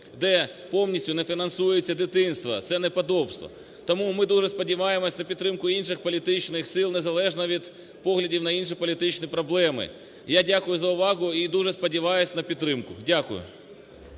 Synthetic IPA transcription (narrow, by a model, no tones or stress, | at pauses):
d̪ɛpownʲisʲtʲʊnefʲinɐnsujet͡sʲːɐd̪ɪt̪ɪnst̪ʋɐ̰t̪sɛnɛpɐd̪ɔbst̪ʋɔ̰ | t̪ɔmumɪd̪uʐɛspɔdʲiʋɑjemɔsʲnɐpʲid̪t̪ːɾɪmkʊinʃɪxpɔlʲit̪ɪt͡ʃnɪxsɪlˠnɛzɐlˠɛʐnɐʋʲid̪ | pɔɦlʲɐdʲiwnɐinʃ̬ɪjpɔlʲit̪ɪt͡ʃnɪjpɾɔblˠɛmɪ̰ | jadʲakʊjʊzɐʊʋɑɣʊid̪uʐɛspɔdʲiʋɑjʊsʲnɐpʲit̪t̪ːɾɪmkʊdʲakʊ̰jʊ̰